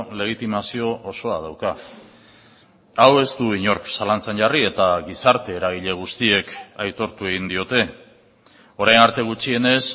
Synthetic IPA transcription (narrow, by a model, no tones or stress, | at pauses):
le̞ɣ̞it̪imasio̞ʔoso̞að̞awka | awe̞st̪uiɲo̞ɾksalant͡senʝarie̞t̪aɣisaɾt̪e̞ːɾaɣ̞iʎe̞ɣ̞ust̪ie̞kajt̪o̞ɾt̪ue̞ɣ̞ind̪io̞t̪e̞ | o̞ɾajnaɾt̪e̞ɣ̞ut͡ʃie̞ne̞s